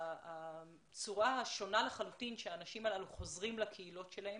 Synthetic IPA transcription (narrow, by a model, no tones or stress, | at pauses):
a | t͡suʁaaʃo̞nalaχalutinʃeaːnaʃimalaluχo̞zʁimlakʰeilo̞tʃelahem